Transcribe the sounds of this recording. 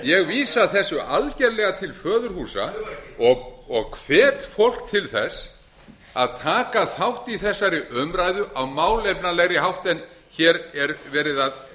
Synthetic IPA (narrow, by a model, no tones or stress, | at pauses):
jɛɣviːsaθɛsːʏʔalcɛɾlɛɣat̪ʰɪlfœːðʏɾ̥huːsa̰ɔɣɔɣkʰv̥ɛːt̪fowl̥kt̪ʰɪlθɛs | a̰ðt̪ʰaːkaθawht̪iθɛsːaɾɪʔœmɾajðʏʔawmaːwlejpnalɛɣɾɪɦawht̪ɛn | çɛːɾɛɾvɛːɾɪðað